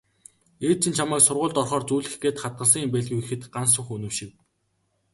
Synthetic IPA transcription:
eːt̪̚t͡ɕʰɪ̆nt͡ɕʰamæːksʊrʁʊːɮt̪ɔrχɔːrt͡suːɮɘ̆xɡeːt̪χat̪̚ɢə̆ɮs̬ə̆ŋimpeːɮɣʲixɘ̆t̪ɢans̬ʊ̆χɵnɵ̆wʃɪ̆k̚

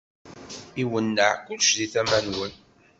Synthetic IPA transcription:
iwənːəʕkʷʊlʃðiθæmænwən

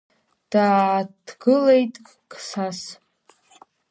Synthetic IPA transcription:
d̥aːdɡɨlejtʼ | ksas

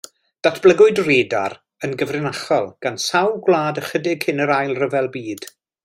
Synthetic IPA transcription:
d̥atʰb̥lˠəɡʊɨdreːda̰ɾ | ənɡəvrɪnaχɔlˠɡ̥ansawɡwlˠaːdəχədɪɡ̥hɪnəɾajlˠrəvɛlˠbiːd̥

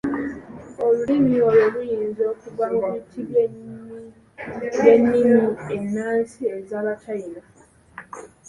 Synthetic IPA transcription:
o̞lulimiolelujiːnzo̞ːkuɡaomitʰiβ | jenːimienːaːsiezaβatʰaiɾa

